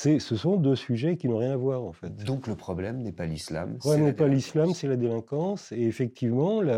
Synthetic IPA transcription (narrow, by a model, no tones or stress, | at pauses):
sɛsəsɔ̃d̪øsyʒɛkʲinɔ̃ʁjɛ̃navwaːʁɑ̰̃fɛt̪d̪ɔ̃kləpχɔblɛmnɛpalisla̰mɔlɛmnɛpalislamsɛlad̪elɛ̃kɑ̃seːfɛk̚t̪ʰivmɑ̃la